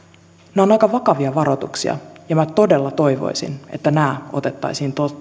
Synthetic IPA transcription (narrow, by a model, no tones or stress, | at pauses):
neo̞nɑjkɑʋɑkɑʋiɑʋɑɾo̞t̪uksḭɑ̰jɑmæt̪o̞de̞lːɑt̪o̞jʋo̞̰jsḭne̞̰t̪ːænæːo̞̰t̪e̞t̪ːɑ̰jsiːnt̪o